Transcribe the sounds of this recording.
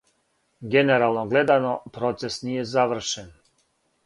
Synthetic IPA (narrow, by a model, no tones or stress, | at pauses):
ɡeneɾalˠnoɡle̞d̪anopɾot̪sesnijezaʋr̩ʃen